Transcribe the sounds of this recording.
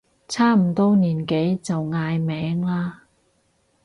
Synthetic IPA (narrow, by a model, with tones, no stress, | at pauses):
t͡sʰaː˥m̩˨˩t̪ɔː˥niː˨˩nke˨˥jt͡sɐ˨wŋaː˧jmɛː˨˥ŋlaː˥